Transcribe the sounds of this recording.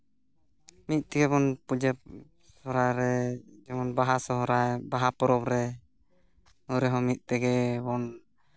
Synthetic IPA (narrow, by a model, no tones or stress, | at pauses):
mit̪̚ˀt̪ɛɡɛbɔnpud͡ʒɛp̚ | sɔɾajɾɛd͡ʒɛmɔnbaɦasɔɦɔɾajbaɦapɔɾɔpɾɛ | uɾɛɦɔmit̪̚ˀt̪ɛɡɛbɔn